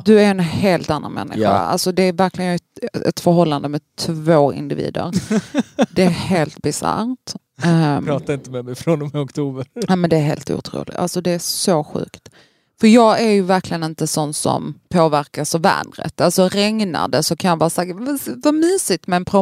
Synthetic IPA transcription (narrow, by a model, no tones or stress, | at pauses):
d̪ɵæɾɛnheːlt̪anːa̰nmɛ̰nːɪ̰ɧa̰a̰lsɔd̪ɛæɾvæɾklɪɡənɛ̰t̪fœɾɦɔlːand̪əmɛt̪ʰvoːɪ̰nd̪ɪvḭːd̪ə̰ɾ | d̪ɛæheːlt̪̚bɪsa̰ɾt̪ | ɑːt̪aɪnt̪əmɛmɛfɾɔnɔmɪɔkt̪ʰuːbənɛmɛnd̪ɛːɾɦḛːlt̪ṵːt̪ʰɾṵːlɪ̰a̰lsɔd̪ɛæsoɧʉ̟̰ːkt̪ | fœɾjɑːɡæɾjɵvæɾkʰlɪɡənɪnt̪əsɔnːt̪sɔ̰mpʰoːvæɾkasɑvvːæ̰ːnɾə̰t̪alsɔɾɛŋna̰ɖ̪əsɔkʰanjɑvɑːsakvavamyːsɪt̪mɛɛnpʰɾʊ